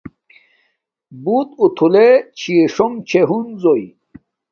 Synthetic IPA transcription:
but̪ut̪ʰulet͡ɕʰieʂoŋt͡ɕʰeɦunzoj

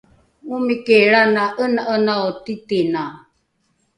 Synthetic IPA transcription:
umikeɾanaʔənaʔənaotitina

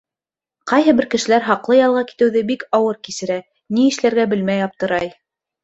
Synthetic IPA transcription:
qɑjɦɤbɘɾkɘ̆ʃɘ̆læɾɦɑqlˠɤjɑlˠʁɑki̥t̪ɘ̆wðɘbikɑwɤɾkisɘ̆ɾæ | niɘ̆ʃlæɾɡæbɘlmæjɑp̚t̪ɤ̆ɾɑj

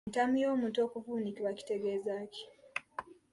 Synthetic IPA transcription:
tamijo̞ːmuːnto̞ːkuvuːnikiβaci̥te̞ɡe̞ːzaːci̥

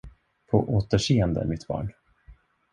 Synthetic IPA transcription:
pʰɔʔoːt̪əʂeːənd̪ə̰æ̰ɾmɪt̪bɑ̰ːɳ

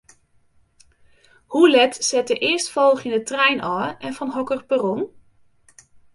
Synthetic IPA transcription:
hulɛtsɛtəʔɪəɹstfɔlˠχɪndətrɛjnʔɔːɛnvɑnɦɔkərbərɔn

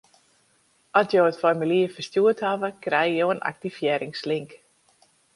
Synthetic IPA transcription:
ʔɔtjoːətfɔrmiliəfərstjuəthavəkrɛjjowənʔa̰k̚tifjɛːɾɪŋsliŋk

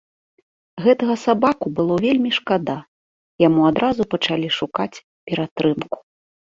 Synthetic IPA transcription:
ɣɛt̪ɐɣɐsabakubɨlˠɔvʲelʲmʲiʂkad̪a | jamuad̪ɾazupɐt͡ʂalʲiʂukat͡sʲ | pʲɛɾat̪ɾɨmku̥

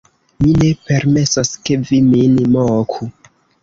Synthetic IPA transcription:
mine̞pe̞ɾme̞saskeviminmokʰu

